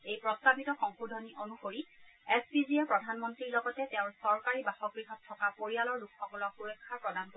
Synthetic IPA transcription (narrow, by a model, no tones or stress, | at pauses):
ejpɹɔstabitɔxɔŋxudʱɔniʔonuxoɹiɛspiziɛpɹɔdʱanmɔntɹiɹlɔɡɔtɛtɛʊ̃ɹsɔɹkaɹibaxɔɡɹiɦɔtʰːɔkapoɹialɔɹlukxɔkɔlɔk̚kuɹɛkʰːaɹpɹɔdank